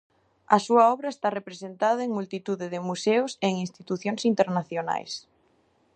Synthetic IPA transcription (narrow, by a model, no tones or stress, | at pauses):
ɐsuɐɔβɾɐest̪arepɾesent̪aðɐeŋmult̪it̪uðeðɪmuseʊseŋĩnst̪it̪uθjoŋsint̪eɾnaθjona̰js